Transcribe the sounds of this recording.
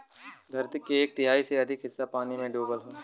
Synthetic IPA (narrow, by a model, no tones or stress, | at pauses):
d̪ʱɐɾt̪ɪkːeːk̚t̪ɪɦaːiseɐd̪ʱɪkɦɪsːapaːninẽɖoːbəlɦõː